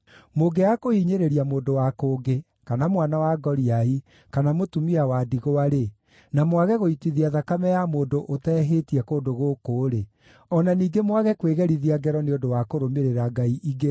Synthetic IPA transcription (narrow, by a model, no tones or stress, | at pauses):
moɡɛjakoiɲeɾeɾiamoːndowakoːɡe | kanamwanawaɡɔɾiai | kanamotumiawadiɣoaɾe | namwaɣɛɣoitiðiaðakamɛjamoːndoʔotɛːɦetiɛkoːdoɣoːkoːɾe | ɔnaniːɡemwaɣɛkweɣɛɾiðiaɡɛɾɔneodowakoɾomeɾeɾaɡaiʔiɡe